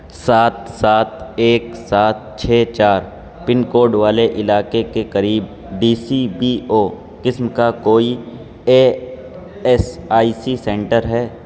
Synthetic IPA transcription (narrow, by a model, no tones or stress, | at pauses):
saːt̪̚saːt̪eːksaːt̪̚t͡ʃʰɛːt͡ʃaːɾ | pɪnkoːɖʋaːleʔɪlaːkekekɐɾiːb̚ | ɖiːsibiːoː | kɪsmkakoːi | eː | ɛsaːisisɛ̃ːɳʈəɾɦɛː